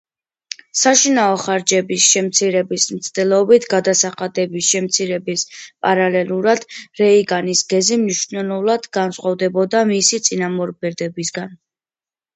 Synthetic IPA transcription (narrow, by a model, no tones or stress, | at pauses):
saʃinaɔχaɾd͡ʒɛbisʃɛmt̪sʰiɾɛbismt̪sʰd̪ɛlˠɔbit̪ʰɡad̪asaχad̪ɛbisʃɛmt̪sʰiɾɛbispʼaɾalɛlˠuɾad̪̥ɾɛiɡanisɡɛzimniʃnɛlˠulˠad̪ɡansχʼavd̪ɛbɔd̪amisit̪sʼinamɔɾbɛɾd̪ɛbisɡan